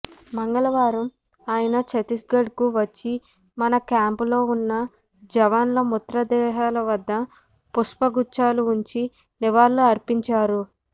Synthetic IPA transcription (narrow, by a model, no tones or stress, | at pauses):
mɐŋɡɐɭɐʋaːɾɐm | aːjɐnɐt͡ʃɐt̪isɡɐɖkuʋɐt͡ʃːi | mɐnɐkaːmpulo̞ːunːɐ | d͡ʒɐʋanlɐmut̪ɾɐd̪ɛːɦaːlɐʋɐd̪ːɐ | puʂpɐɡut͡ʃːaːluːɲt͡ʃi | niʋaːlːuɐɾpiɲt͡ʃaːɾu